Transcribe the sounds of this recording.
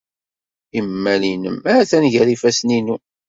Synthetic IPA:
imːælinə̰mææθænʝəɾifæsninu

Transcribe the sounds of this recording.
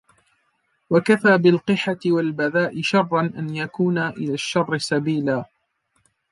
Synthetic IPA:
wakafaːbɪlqɨħat̪ɪwalbaðaːʔɪʃɑrˤːɑnʔanjakuːnaʔɪlaːʃːɑrˤːɪsabiːlaː

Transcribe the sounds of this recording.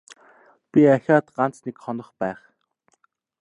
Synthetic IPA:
pʲiaxʲaːt̪ɢan̥t͡snekχɔnɞ̆χpæːχ

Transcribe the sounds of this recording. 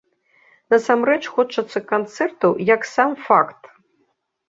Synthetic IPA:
nɐsamrɛt͡ʂxɔt͡ʂɐt̪sːɐkant̪sɛrt̪ɐwjaksamfakt̪

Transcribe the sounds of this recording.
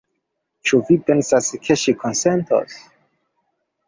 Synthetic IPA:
t͡ʃuvipɛ̃nsaskʰeʃikʰɔ̃nsɛntʰɔ̰s

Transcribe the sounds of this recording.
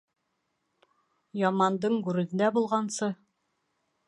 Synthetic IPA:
jɑmɑnd̪ɤɴɡʉɾɘ̆nɘ̆nd̪æbulˠʁɑnsɤ

